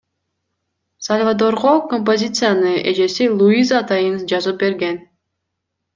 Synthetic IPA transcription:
salʲvad̪o̞ɾʁoko̞mp̬o̞zʲit̪sɨjanɯʔe̞d͡ʒe̞silˠuizaːt̪ɑjɯnd͡ʒɑzɯp̚be̞ɾɡe̞n

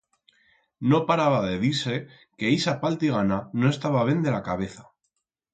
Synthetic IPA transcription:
no̞paɾaβaðe̞ðiɾse̞ | ke̞isapalt̪iɣ̞anano̞e̞st̪aβaβjend̪e̞lakaβ̞e̞θa

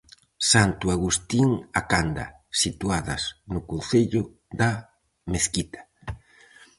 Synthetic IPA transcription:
sant̪uaɣust̪iŋakand̪a̰ | sit̪waðɐ̰snʊkon̟θeʎʊ | ða | meθkit̪ḁ

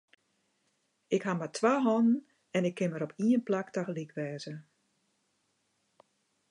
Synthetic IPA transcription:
ɪkhamatʰʋaːɦɔnn | ɛnɪkʰːɪnməɾɔpʰiənplaktaxəlikʰʋɛːzə

